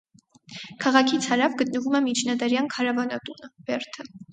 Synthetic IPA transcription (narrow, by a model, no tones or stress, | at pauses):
kʰɑʁɑkʰit͡sʰhɑɾɑvɡət̪nəvumɛmit͡ʃʰnɑd̪ɑɾjɑnkʰɑɾɑvɑnɑt̪unəv̥ɛɾt̪ʰə